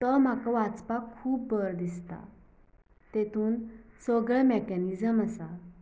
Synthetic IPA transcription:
t̪əm̤akaʋat͡spakʰːuːpbəɾd̪ist̪a̰ | t̪et̪ʰuːnsɔɡəɭmekɛnid͡zəməsa

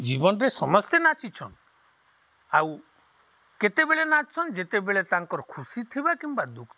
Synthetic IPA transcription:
d͡ʒibɔnɔɾesɔmɔst̪enat͡ʃit͡ʃʰɔn | aw | ket̪ebeɭenat͡ʃt͡ʃʰɔnd͡ʒet̪ebeɭet̪aŋkɔɾɔkʰusit̪ʰibakimbad̪ukʰ

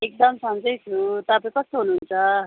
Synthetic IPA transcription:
ek̚d̪ʌmsʌmd͡zʌjt͡sʰut̪apaĩkʌst̪oɦunuɦunt͡sʰʌ

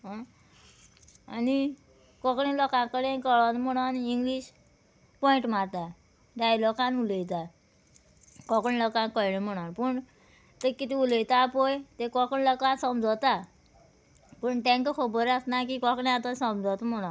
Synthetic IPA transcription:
ɦa | ani | kɔkɳĩlɔkãkəɽẽkəɭɔnməɽ̃oniŋɡliːɕ | pɔĩɳʈmaɾt̪a | ɖajlɔkãnuləjt̪a | kɔkɳĩlɔkãnkəjɽẽm̤əɽ̃anpuɳ | t̪ekit̪iuləjt̪apojt̪ekɔkɳĩlɔkasəmd͡zɔt̪a | pəɳʈ̪ɛ̃ŋkkʰobɔɾasnakikɔkɳĩat̪ɔsəmd͡zɔt̪m̤əɽ̃un

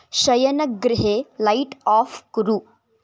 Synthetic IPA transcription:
ɕɐjənəkɡɾɪɦelaiʈɔfkɾuː

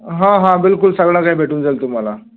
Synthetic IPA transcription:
ɦãɦãbilkulsəɡɭãkaibʱeʈuːnd͡zalt̪um̤ala

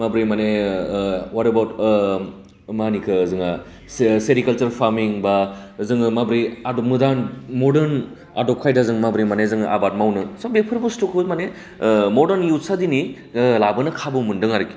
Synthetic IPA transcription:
mabɾimane | waɾɐbawt | manikʰɯzɯŋa | sseɾikɐlt͡ʃɐɾpʰaɾmiŋbazɯŋmabɾiadomɯdanmoɾdɐɾn | a̰dokʰajdazɯŋmabɾimanezɯŋʔa̰bat̚mawnɯsabek̚pʰɯɾbustukʰɯmane | moɾdɐɾnjut̚sadini | labɐnɐkʰabɯmundɯŋaɾɯki̥

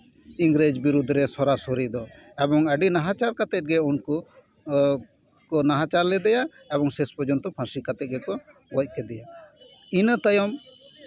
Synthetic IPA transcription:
iŋɡɾed͡ʒbiɾud̪ʱɾɛsɔɾasoɾid̪ɔ | ɛbɔŋəɖinaɦat͡ʃaɾkat̪ɛt̪̚ɡɛunku | kɔnaɦat͡ʃaɾlɛd̪ɛja | ɛbɔŋsɛspɔd͡ʒɔnt̪ɔpʰãsikat̪ɛt̪̚ɡɛkɔ | wɔc̚ˀkɛd̪ɛja | inət̪əjɔm

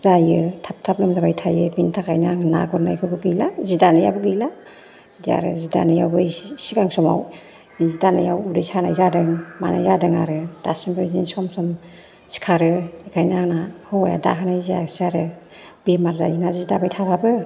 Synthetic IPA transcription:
zajɯtʰap̚tʰaplɯmzabajtʰajɯbintʰakʰajnaŋna̰ɡɔɾna̰jkʰɯbɯɡɯjlazidanɯja̰bɯɡɯjla | dia̰ɾɯ̰zida̰nɯjawbɯjsiɡaŋsɔma̰w | zidanɯjawudɯjsʰanajzadɯŋma̰na̰jzadɯŋa̰ɾɯd̥a̰simbɯzinsɔmsɔm | si̥kʰaɾɯikʰajnaŋnahɔja̰da̰ɦʰɯnajzsaɾɯ | bemaɾza̰jɯnaziidabajtʰapʰabɯ

